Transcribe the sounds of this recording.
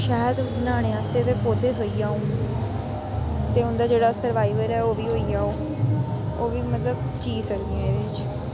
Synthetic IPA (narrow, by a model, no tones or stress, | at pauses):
ʃaːjəd̪naːɽ̃eːaːseːd̪eːpoːd̪eːt̪ɦoːiːaːũː | t̪eːʊnd̪aːd͡ʒeːɽaːsəɾʋaːiʋəɾɛːoːʋiːɦoːiːaːoː | oːʋiːmət̪ləb | t͡ʃiːsəkd̪ijãːeːd̪eːɪt͡ʃ